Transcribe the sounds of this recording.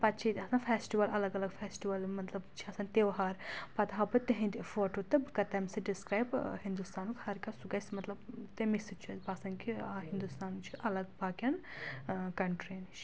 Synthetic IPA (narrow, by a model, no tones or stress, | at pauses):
pɐt̪t͡ʃʰit̪ʲɐsaːnfʰeːsʈiʋɐlɐlɐɡɐlɐɡfʰeːsʈiʋɐlmɐt̪lɐbt͡ʃʰiɐsaːnt̪eʋɦaɾpɐt̪ɦabɨt̪eɦĩnd̪ʲfoːʈot̪ɨbkɐt̪ɐmsɐɖiskɾaːjbhind̪ust̪aːnukhɐɾkasuɡɐsʲmɐt̪lɐbt̪emisɨt͡ʃʰuɐzbaːsɐŋkiaɦind̪ust̪aːnt͡ʃʰiʔɐlɐɡbaːkʲɐn | kɐɳʈɾint͡ʃʰ